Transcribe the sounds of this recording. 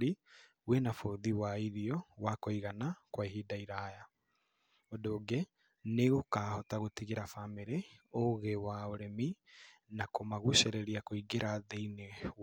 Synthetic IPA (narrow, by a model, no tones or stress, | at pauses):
ɾi | wenafoðiwaiɾiɔwakoiɣanakwaihidaiɾaja | odoːɡe | neɣokaːhɔtaɣotiɣeɾafameɾeoɣewaoɾemi | nakomaɣuʃeɾeɾiakoiɡeɾaðeine